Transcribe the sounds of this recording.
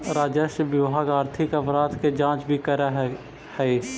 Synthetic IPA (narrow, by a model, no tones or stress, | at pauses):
ɾaːd͡ʒəʃʋɪʋaːɡaːɾt̪ʰɪkəpʰɾaːd̪ked͡ʒãːt͡ʃbʱikəɾa | hɛ